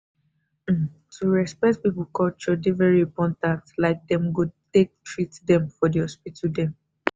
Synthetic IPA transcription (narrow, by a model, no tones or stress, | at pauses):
tʰuɹɛspɛt̚pipukɔlt͡ʃɔdevɛɹipɔ̃ntãtslaɪk̚dɛ̃mɡotek̚tʰɹitdɛ̃mfɔdihɔspitʰudɛ̃m